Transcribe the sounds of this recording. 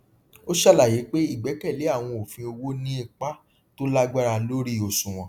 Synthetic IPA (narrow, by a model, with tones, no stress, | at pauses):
o˦ʃa˦la˦˨je˨˦k͡pe˦i˦˨ɡ͡bɛ˨˦kɛ˦˨le˨˦a˦˨w̃ɔ̃˧o˨fĩ˧o˧wo˦nĩ˦i˧k͡pa˦ | to˦la˦ɡ͡ba˦ɾa˧lo˦ɾi˦˨o˨sũ˨w̃ɔ̃˨˧